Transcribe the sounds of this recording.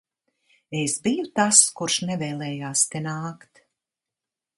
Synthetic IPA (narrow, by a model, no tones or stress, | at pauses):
esbijut̪askuɾʃnɛvɛːlˠɛːjaːst̪enaːkt̪